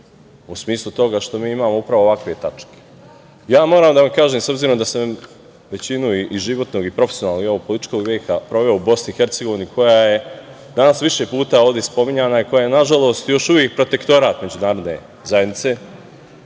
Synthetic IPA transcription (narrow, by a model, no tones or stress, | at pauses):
usmiːslˠut̪o̞ɡaʃt̪o̞miːimaːmo̞upɾaʋoʋakʋe̞t̪at͡ʃke̥ | jaːmo̞ːɾaːmd̪aʋamkaːʒeːmso̞bziːɾo̞md̪ase | ʋe̞t͡ɕinuiʔiʒiʋo̞t̪noːɡipɾo̞fesionaːlnoɡe̞ʋopo̞lit̪i̥t͡ʃko̞ɡʋjeːkapɾo̞ʋe̞oubo̞snixe̞ɾt̪seɡo̞ʋinikʰo̞jaje̞ | d̪anasʋiʃe̞puːt̪aːoːʋd̪espo̞miɲanaiko̞jaːjenaʒalˠo̞ːst̪jo̞ʃuʋjeːk̚pɾo̞t̪e̞kt̪o̞ɾaːt̪me̞d͡ʑunaːɾo̞d̪ne̞̰ | zajed̪nit̪se̞